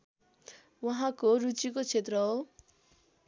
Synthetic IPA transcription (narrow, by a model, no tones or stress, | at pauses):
waɦãkoɾut͡sikot͡sʰet̪rʌɦo